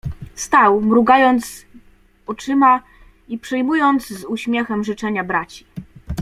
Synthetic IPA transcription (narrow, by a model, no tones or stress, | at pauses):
st̪awmɾuɡajɔnt̪s | ɔt͡ʂɘma | ipʂɛjmujɔnt̪zzuɕmʲjɛxɛmʐɘt͡ʂɛɲabɾat͡ɕi̥